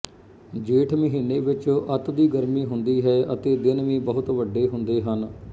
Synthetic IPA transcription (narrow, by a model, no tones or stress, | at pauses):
d͡ʒeːʈʰməɦiːneːʋɪt͡ʃət̪d̪iːɡəɾmiːɦʊnd̪iːɦɛːʔət̪eːd̪ɪnʋĩːbəɦʊt̪ʋəɖːeːɦʊnd̪eːɦən